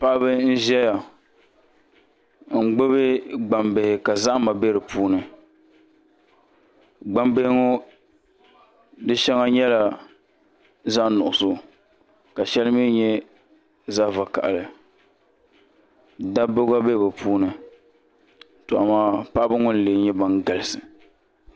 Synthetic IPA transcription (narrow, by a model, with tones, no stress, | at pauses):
pa˦ʔbɨ˦n̩˦ʒɛ˦ja˨ | ŋ̩˨ɡ͡bo˦bɪ˦ɡ͡ba˨mbe˨hɪ˨ka˨za˦ʔma˨be˦ɾɨ˨pʰuː˦nɨ˨ | ɡ͡ba˦mbe˦hɪ˦ŋo˦ | dɨ˦ʃɛ˦ŋa˦ɲɛ˦la˨ | za˦nʊ˨ʔʊ˨sʊ˦ | ka˨ʃɛ˦lmi˦ɲɛ˦ | za˦va˨ka̰˨ʔa˨lɨ˨ | da˦bo˦ɡa˦be˦˨bɛ˨pʰuː˦nɨ˨ | tʊ˨ʔa˨maː˦pa˦bɨ˦ŋʊ˦n̩˦leː˨˦ɲɛ˦ba˨ŋɡa˨lɨ˦sɨ˨